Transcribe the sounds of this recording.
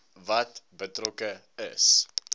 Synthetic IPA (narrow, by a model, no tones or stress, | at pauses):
vɐtbətrɔkə | ə̰s